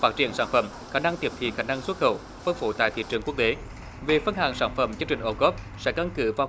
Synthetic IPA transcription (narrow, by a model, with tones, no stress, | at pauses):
fa˦˥t̚t͡ɕi˧˨ənsaː˧˩nfə̰˧˩m | xaː˧˩na˧ŋt̪i˨˩əp̚t̪ʰḭ˧˨xaː˧˩na˧ŋswə˦˥t̚xə̰˧˩w | fə˧nfo̰˧˩t̪a̰ː˧˨t̪ʰḭ˧˨t͡ɕɨ˨˩əŋku˦˥ək̚t̪e˨˦ | ve˨˩fə˧nha̰ː˧˨˩ŋsaː˧˩nfə̰˧˩mt͡ɕɨ˧əŋt͡ɕï˨˩ŋ̟ʔo˧˩ɣɔ˦˥p̚sɛ̰˧˥ka˧nkɨ˧˩vaː˨